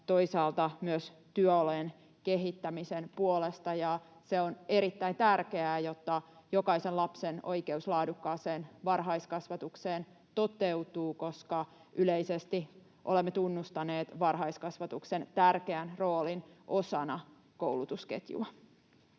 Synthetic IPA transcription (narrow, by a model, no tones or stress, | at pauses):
t̪o̞isɑːlt̪ɑmyøst̪yœolen | keɦit̪ːæmisenpuolest̪ɑjɑ | seone̞ɾit̪ːæint̪ærkeæːjot̪ːɑjokɑisenlɑpseno̰ike̞uslɑːdukːɑːseːnʋɑrɦɑiskɑsʋɑt̪ukseːn | t̪ot̪eut̪uːko̞skɑ | ʔyleisest̪i | ʔolemːet̪unːust̪ɑneːt̪ʋɑrɦɑiskɑsʋɑt̪uksent̪ærkeænro̞ːlinʔosɑnɑ | kowlut̪uskḛt̪jṵɑ